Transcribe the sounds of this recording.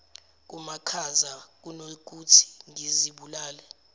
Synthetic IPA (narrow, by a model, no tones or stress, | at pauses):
k̬umakʰazak̬unok̬ʼutʰi̥ŋiziɓulaːlɛ